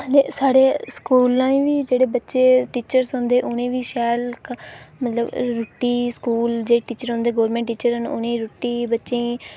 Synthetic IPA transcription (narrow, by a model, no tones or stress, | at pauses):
neːsaːɽeːskuːlãːĩːʋiːd͡ʒeːɽeːbətːʃeːʈiːt͡ʃəɾsɦõːnd̪eːʔʊnẽːʋiːʃɛːlkmət̪ləbɾoːʈːiːskuːld͡ʒeːɽeːʈiːt͡ʃəɾɦõːnd̪eːɡoːɾmẽːɳʈːiːt͡ʃəɾɦənʊ̰nẽːɾoʈːiːbətːʃẽː